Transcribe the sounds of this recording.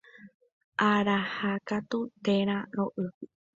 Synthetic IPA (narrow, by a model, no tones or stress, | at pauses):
ʔaɾahakat̪ut̪eɾ̃ãɾoʔɨ